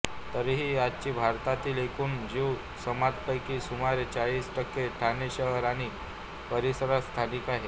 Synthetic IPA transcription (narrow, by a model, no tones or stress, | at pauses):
t̪əɾiɦiːjat͡ɕiːbʱaɾt̪at̪iːlekʰuːnd͡ʑiw | səmat̪kəjkiːsumaɾet͡ɕaɭiːsʈəkːeʈʰaneɕəɦəɾaɽ̃i | pəɾisəɾast̪ʰanikaɦe